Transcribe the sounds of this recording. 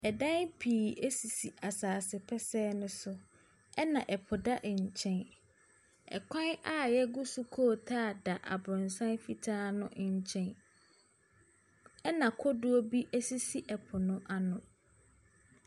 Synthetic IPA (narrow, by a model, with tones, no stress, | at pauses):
ɛ˨dã˦npʰiː˨ɛ˦si˨si˨ʔa˨saː˨sɪ˨pʰɛ˦sɛː˦nʊ̃˦sʊ˦ | ɛ˦nã˨ʔɛ˨pʰʊ˨da˦ʔɲ̩˨t͡ɕʰɛ̃˦n | ɛ̰˨kʰã˦na˦˨jɛ˦ɡu˦su˦kʰɔ˦˨tʰaː˦˨da˨ʔa̰˨bʊ̃˨nsã˦nfi˨tʰaː˦nʊ̰̃˦ʔɲ̩˦t͡ɕʰɛ̃˦n | ɛ˦nã˨kʰɔ˦dʊ˦o˦bi˦ʔɛ˦si˦si˨ʔɛ˨pʰʊ˨nʊ̃˦ʔa˨nʊ̃˨